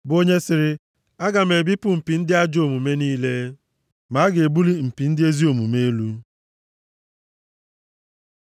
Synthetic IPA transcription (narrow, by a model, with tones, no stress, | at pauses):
bo˦ɲe˦sɪ˨ɾɪ˦ | a˦ɡa˨m̩e˨bi˦pʊ˦m̩˨pi˨n̩˦dɪ˦a˦d͡ʒo˨mu˨me˦niː˦le˦ | ma˨˦ɡe˨bu˦li˦m̩˨pi˨n̩˦dɪ˦e˦zi˦o˨mu˨me˦e˦lu˦